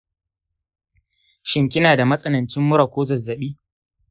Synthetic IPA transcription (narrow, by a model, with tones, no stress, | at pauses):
ʃɪ˦ŋkʲɪ˦naː˨da˨mɐ˦sʼɐ˦nɐ˨nt͡ʃɪ˦mːʊ˦ɾa˨kʷoː˦zɐ˨zːɐ˨ɓiː˦